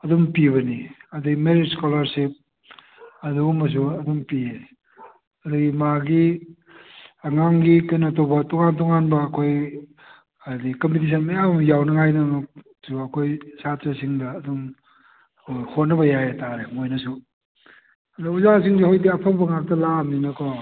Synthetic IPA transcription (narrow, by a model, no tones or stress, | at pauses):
ɐdumpiβɐniɐduɡimeɾidskolɐɾsip̚ | ɐduɡmɐs̬uɐdumpie | ɐduɡimaɡi | ɐŋaŋɡikɐjnɐtobɐtoŋantɔŋanbɐːkʰoj | adikɐmpitis̬ʰɐnmɐjamjawnɐŋajnɐ | suɐkʰojsattɐsiŋdɐːdum | kʰojhot̚nɐβɐjajataɾemojnɐsu | ɐdauzasiŋsihojdiɐpʰaŋbɐŋak̚tɐlamninɐkʰɔ